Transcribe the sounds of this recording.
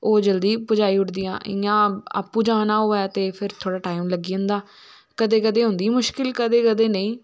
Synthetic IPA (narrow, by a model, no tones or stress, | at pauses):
oːd͡ʒəld̪iːpʊd͡ʒaːiːʊʈd̪ɪjã̰ːʔɪ̰ãːa̰ːpːuːd͡ʒãːnaːɦoːɛːt̪eːpʰɪɾt̪ʰoːɽaːʈaːimləɡiːʊ̃nd̪aː | kəd̪eːkəd̪eːɦʊ̃nd̪iːmʊʃkɪlkəd̪eːkəd̪eːnəĩː